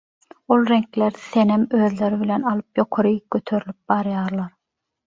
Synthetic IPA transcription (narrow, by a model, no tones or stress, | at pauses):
olˠɾeŋkleɾθenemøːðle̞ɾiβilenɑlˠɯpjo̞qʰoɾɯɡ̥øt̪ʰø̞ɾylip̚bɑɾjɑːɾlˠɑɾ